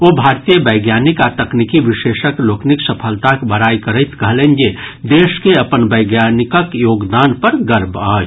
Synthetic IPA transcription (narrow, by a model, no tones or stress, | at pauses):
oːbʱaːɾt̪ijəbəɪɡjaːnɪkat̪ɐknikiʋɪʃeːʃəkloːknɪksəpʰəlt̪akbəɾaːikəɾəɪt̪kɐɦlẽnd͡ʒed̪eːʃkeɐpənbəɪɡjaːnɪkəkjoːɡd̪aːnpəɾɡəɾbaː